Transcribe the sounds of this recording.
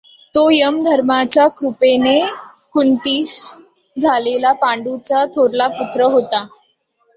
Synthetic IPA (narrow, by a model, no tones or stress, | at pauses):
t̪ojəmd̪ʱəɾmat͡ɕjakɾupene | kunt̪iːs | d͡zʱalelapaɳɖut͡sat̪ʰoɾlaput̪ɾəɦot̪a